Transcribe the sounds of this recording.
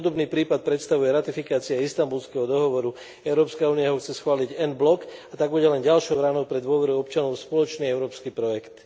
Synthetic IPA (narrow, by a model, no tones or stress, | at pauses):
d̪ɔbniːpɾiːpat̪̚pɾɛt̪st̪aʋujɛɾat̪ifikaːt͡siaist̪ambulskɛɦɔd̪ɔɦɔʋɔɾu | ɛʊɾɔːpskauːnijaɦɔxt͡sɛsxʋaːliɟɛnblɔkat̪aɡ̚buɟɛlɛnɟalʃɔʊɾaːnɔʊpɾɛd̪ʊɔʋɛɾuɔpt͡ʃanɔʊspɔlɔt͡ʃniːɛʊɾɔːpskiːpɾɔjɛkt̪